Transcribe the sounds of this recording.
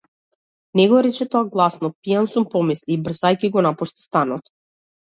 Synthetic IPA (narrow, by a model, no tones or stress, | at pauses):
nɛɡɔɾɛt͡ʃɛt̪ɔaɡlˠasnɔpijansumpɔmisliːbr̩zajkiɡɔnapuʃt̪i̥st̪anɔt̪